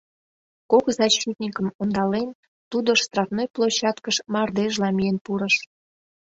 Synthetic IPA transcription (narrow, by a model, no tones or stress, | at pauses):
kokzɑɕit̪nʲikəmond̪ɑlen | t̪ud̪oʃst̪rɑfnojplˠoɕɑt̪kəʃmɑrd̪eʒlɑmijenpuɾəʃ